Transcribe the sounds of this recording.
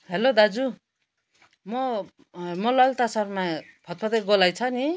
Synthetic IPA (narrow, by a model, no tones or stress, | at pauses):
ɦelod̪ad͡zu | mʌ | mʌlʌlt̪asʌrmapʰʌt̪̚pʰʌt̪ʌɡolajt͡sʰʌni